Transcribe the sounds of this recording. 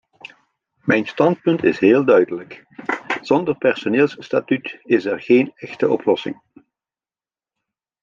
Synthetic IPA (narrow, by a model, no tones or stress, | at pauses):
mɛjnstɑnt̚pɵntɪ̰sɦeːlˠdœɥdələk | z̥ɔndərpɛrsoneːlˠsstaːtytɪsɛrɣeːnɛxtəʔɔplɔsɪ̰ŋ